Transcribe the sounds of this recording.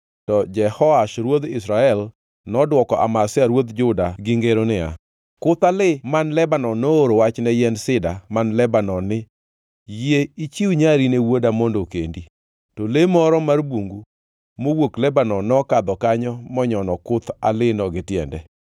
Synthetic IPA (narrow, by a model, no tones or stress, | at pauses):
tɔd͡ʒɛhɔaʃɾwod̪ɪsɾaɛl | nɔdwɔkɔʔa̰masɪaɾwod̪d͡ʒʊdaɡɪŋɡeɾonɪa̰ | kʊt̪alɪmanlɛbanɔnooɾowat͡ʃnɛjɛnsɪdamanlɛbanɔnɪ | jeit͡ʃiuɲaɾinewodamondokḛndi | tolemɔɾɔmarboŋɡu | mowoklɛbanɔnɔkad̪ɔkaɲɔmɔɲɔnɔkʊt̪a̰lɪnɔɡɪtjɛ̰ndɛ